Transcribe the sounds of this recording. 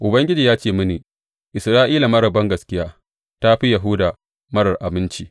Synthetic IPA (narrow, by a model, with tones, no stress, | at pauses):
ʔʊ˨bɐ˦ŋɡʲɪ˦d͡ʒiː˨jaː˦t͡ʃeː˦˨mʊ˦niː˨ | ʔɪ˨sɾaː˦ʔiː˦la˨mɐ˦ɽɐ˨bɐ˦ŋɡɐ˨skʲɪ˦jaː˦ | ta˦ɸi˦jɐ˨ɦʊ˦daː˨ | mɐ˦ɽɐ˨rʔa˨bɪ˦nt͡ʃiː˦